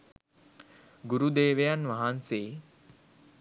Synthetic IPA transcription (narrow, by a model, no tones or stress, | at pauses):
ɡuɾud̪eːʋejanʋaɦanseː